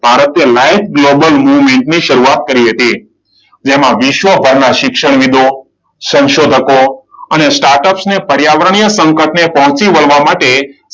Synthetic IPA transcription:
b̥ʱaɾət̪jəlajt̪̚ʰɡlobəlmuʋmeɳʈniʃəɾuat̪̚kəɾiɦət̪i | d͡ʒemãʋɪʃʋəbʱəɾnaʃɪkʃəɳ̃ʋid̪o | sə̃nʃod̪ʱəkoənesʈaɾʈəpsnepəɾjaʋəɾəɳ̃ijəsə̃ŋkəʈnepəɦɔ̃t͡ʃiʋəɭʋamaʈe

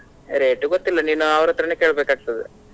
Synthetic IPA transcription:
ɾeːʈuɡot̪ːilːɐniːnuɐʋɐɾɐt̪ːɐɾɐneke̞ːɭbeːkaːɡ̚t̪ɐd̪ḛ

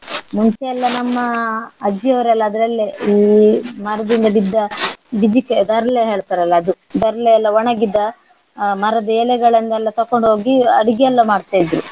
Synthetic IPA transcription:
muɲt͡ʃɛɛlːɐnɐmːɐːd͡ʒijɐʋɐɾɛlːɐːd̪ɐɾɐlːeimɐɾɐd̪ind̪ɐbid̪ːɐbid͡ʒikːed̪ɐɾɐleɦeːɭt̪aːɾɐlːɐːd̪u | d̪ɐɾɐlɛɛlːɐʋɐɳɐɡid̪ːɐ | mɐɾɐd̪ɐeːlɛɡɐɭɐnd̪ɐɛlːɐt̪ɐkːoɳɖɦo̞ːɡiɐɽiɡɛjɛlːɐmaːɖt̪aːjid̪ɾu

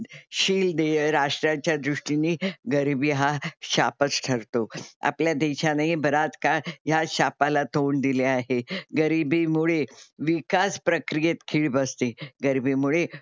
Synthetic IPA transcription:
ɕiːld̪eɾaʂʈɾãt͡ɕjad̪ɾuʂʈiniɡəɾibiɦaɕapət͡sʈʰəɾt̪oa̰pljad̪eɕanaibəɾat͡skajaɕapalat̪ʰoɳd̪ileaɦeɡəɾibimuɭeʋikaspɾəkɾijet̪kʰiːɭbəst̪eɡəɾibimuɭe

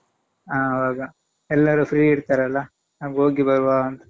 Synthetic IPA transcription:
aːʋaːɡɐ | ɛlːɐɾupʰɾiːiɽt̪aːɾɐlːɐ | nɐʋɡoːɡibɐɾuʋaːɐnt̪u̥

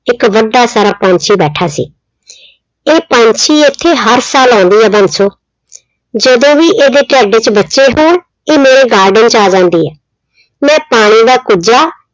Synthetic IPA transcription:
ɪkʋəɖːaːsaːɾaːpãːɲt͡ʃʰiːbɛːʈʰaːsḭː | eːpãːɲt͡ʃʰiːɪt̪ʰːeːɦəɾsaːlɔ̃ːnd̪iːɛːbənsoː | d͡ʒəd̪õːʋiːʔeːd̪eːʈɛːɖeːt͡ʃbətːʃeːɦoːɽ | eːmeːɾeːɡaːɾɖənt͡ʃaːd͡ʒãːnd̪iːɛː | mɛ̃ːpaːɽ̃iːd̪aːkʊd͡ʒaː

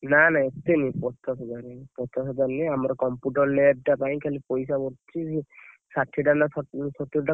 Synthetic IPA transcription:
nanaet̪enipɔt̪ʰasɔd͡ʒaɾepɔt̪ʰasɔd͡ʒ̪aɾniamɔɾkɔmpuʈɔɾleb̚ʈapaj̃kʰalipɔjsabɔɾt͡ʃʰii | saʈʰːiʈanasɔt̪uɾʈa

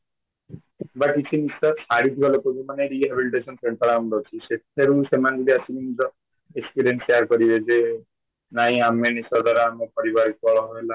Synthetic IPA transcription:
bakit͡ʃʰinisɔsaɽit̪ʰibalekobimaneɾiɦebiliʈesɔnpʰɾeɳʈɔɾamdɔt͡ʃʰiset̪ʰeɾusemand̪iliasiminid͡ʒɔ | ekspiɾienseaɾkɔɾibed͡ʒe | naɦĩamenisɔd̪ʱwaɾaːmɔpɔɾibaɾik̚bɔɭɔɦoela

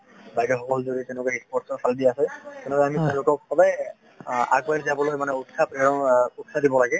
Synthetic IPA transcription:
bajdɔxɔkɔlzodit̪ɛ̃nʊkaispɔʈsɔɹsaldiasɛt̪ɛnɛkaamit̪ɛnʊkɔsɔbaj | a̰ɡ̚bazɛapɔlojmanɛutsapɛɹɔutsadibɔlaɡɛ

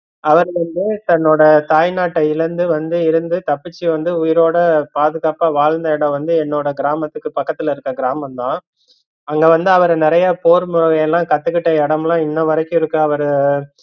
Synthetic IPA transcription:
ɐʋɐɾʋɐnd̪ɯt̪ɐnːoːɽɐt̪aːjnaːʈːɐɪlɐnd̪ɯʋɐnd̪ɯɪɾɯnd̪ɯt̪ɐpːɪt͡ʃːiʋɐnd̪ɯʊjɪɾoːɽɐpaːðɯɣaːpaːʋaːɻnd̪ɐɛɽɐ̃ʋɐnd̪ɯɛnːoːɽɐɡɪɾaːmɐt̪ːɯkːɯpɐkːɐt̪ːɪlɐɪɾɯkːɐɡɪɾaːmɐmt̪ãː | ɐŋɡeːʋɐnd̪ɯɐʋɐɾnɪɾɐjɐpoːɾmʊɻɐɣɐjɛlːãːkɐt̪ːɯkːɪʈːɐɛɽɐmlãːɪnːɐʋɐɾɐkːʊ̃ɪɾɯkːɯɐʋɐɾɯ

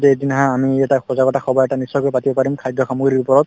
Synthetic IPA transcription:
tɛedinaɦãːmiɛtaxɔzaɡɔtaxɔbajɛtanisɔkoɹjpatibɔpaɹimkʰajdʱːɔxamuɡɹiɹupɔɹɔt̚

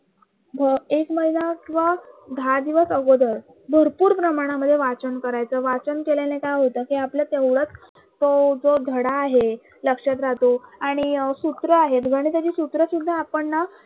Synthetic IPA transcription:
bʱəekməɦinakĩʋʋad̪ʱad̪iʋəsəɡod̪əɾ | bʱəɾpuːɾpɾəmaɽ̃aməd̪ʱːjeʋat͡ɕənkəɾajt͡səʋat͡ɕənkeljanekajɦot̪əkiapljat̪ewɽət͡s | t̪od͡zod̪ʱəɽaːɦe | ləkʂat̪̬ɾat̪oaɽ̃isut̪ɾəaɦet̪ɡʱəɽ̃iːt̪jad͡ʑiːsut̪ɾəsud̪ʱːaapəɳːa

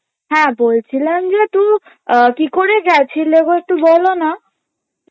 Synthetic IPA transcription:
ɦɛ̃bolt͡ɕʰilend͡ʑet̪ũ | kikoɾeɡɛt͡ɕʰileɡoek̚t̪ubɔlona

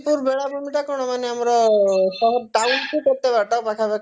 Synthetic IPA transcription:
puɾbeɭabʱumiʈakɔɽ̃ɔmaneamɔɾɔsɔɦɔʈaunkʰikɔɾt̪ebaɾt̪apakʰabak

